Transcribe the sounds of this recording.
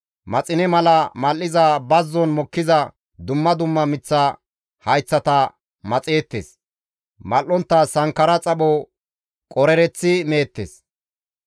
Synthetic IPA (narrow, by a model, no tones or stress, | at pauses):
mɐt͡sʼɪnɛmɐlɐmɐlːɪzɐbɐzːɔnmɔkːɪzɐ | d̪ʊmːɐd̪ʊmːɐmɪt͡sːɐ | hɐjt͡sːɐt̪ɐ | mɐt͡sʼe̞ːt̪ːḛːs | mɐlːɔnt̪ːɐsɐŋkːɐɾɐt͡sʼɐɓɔ | kʼɔɾɛɾɛt͡sːɪme̞ːt̪ːḛs